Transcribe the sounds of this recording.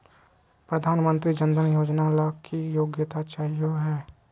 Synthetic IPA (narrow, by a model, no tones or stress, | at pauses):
pɾəd̪ʱaːnmə̃nt̪ɾid͡ʒə̃nd̪ənjoːd͡ʒnalakʰijoːɡjət̪at͡ʃaːijoɦɛː